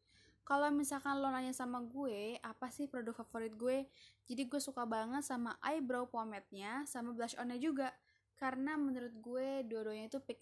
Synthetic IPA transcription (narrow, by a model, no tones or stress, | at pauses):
kalawmisalkanlonaɲasamaɡuɛapasɪhpɾodʊk̚fafoɾɪt̪̚ɡuɛd͡ʒadiɡuesukabaŋət̪̚samaʔajbɾawpomɛt̪̚ɲasamablaʃo̰nɛd͡ʒuɡa | kaɾənamənuɾʊt̪̚ɡueduaduaɲait̪upɛk̚